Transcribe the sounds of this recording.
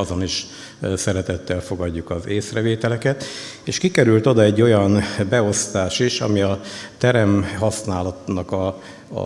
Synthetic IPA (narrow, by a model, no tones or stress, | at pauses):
zo̞niʃ | sɛɾɛt̪ɛt̪ːɛlfo̞ɡɒɟːukɒzeːsrɛveːt̪ɛlɛkɛt̪ | eːʃkikɛɾylt̪o̞d̪ɒɛɟːo̞jɒnbɛo̞st̪aːʃiʃɒ̰miɒt̪ɛɾɛmɦɒsnaːlɒt̪nɒkɒ̰